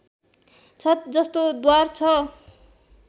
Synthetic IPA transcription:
t͡sʰʌd͡zʌst̪od̪wart͡sʰʌ

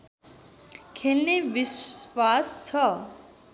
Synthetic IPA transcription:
kʰelneʋiswast͡ɕʰʌ

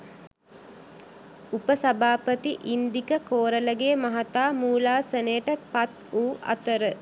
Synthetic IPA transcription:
upəsɐbʱaːpət̪iʔind̪ikəkoːɾələɡeːmɐɦat̪aːmuːlaːsənəjəʈəpat̪uːʔa̰t̪əɾə

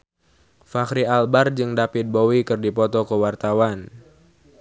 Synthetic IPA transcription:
fakɾialbard͡ʒɨŋdapɪt̪̚bowikɨrdipɔt̪ɔkəwart̪awan

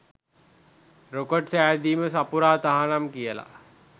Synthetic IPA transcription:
ɾokoʈsæːd̪iːməsapuɾaːt̪aɦanamkijəla̰

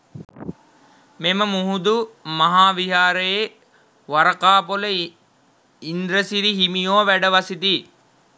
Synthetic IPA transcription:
meməmuɦud̪umaɦaːʋiɦaːɾəje | ʋaɾɐkaːpolə | ind̪ɾəsiɾiɦimijoːʋæɖəʋasit̪i

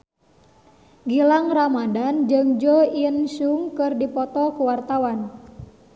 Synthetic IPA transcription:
ɡilaŋramadand͡ʒɨŋd͡ʒɔiənsuŋkɨrdipɔt̪ɔkuwart̪awan

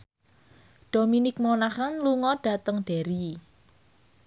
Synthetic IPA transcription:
d̥o̤minɪk̚mɔnahanluŋɔɖ̥ä̤t̪əŋɖ̥ɛ̤ɾi

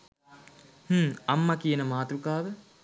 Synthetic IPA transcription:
h̩ːɐmːɐkijənəmaːt̪ɾukaːʋə

